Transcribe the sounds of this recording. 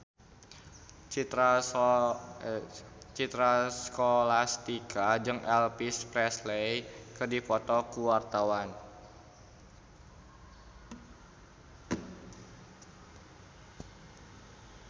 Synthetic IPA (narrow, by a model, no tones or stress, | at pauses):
t͡ʃit̪ɾaskolast̪ikʰad͡ʒɨŋʔɛlpispɾɛslejkɨrdifɔt̪ɔkuwart̪awan